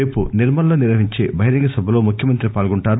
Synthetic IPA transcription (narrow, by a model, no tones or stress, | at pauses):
eːpuniɾmɐnɐloːniɾʋɐɦiɲt͡ʃe̞̰ːbʱɐɦiɾɐŋɡɐsɐbʱɐlo̞ːmukʰjɐmɐnt̪ɾipaːlɡuɳʈaːɾ